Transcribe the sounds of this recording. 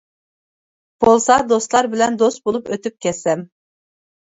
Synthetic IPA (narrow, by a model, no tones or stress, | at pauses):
b̥olˠsɑd̪ost̪lˠɑɾbɪlɛnd̪ost̪̚bolˠupøt̪yp̚kʲɛsɛm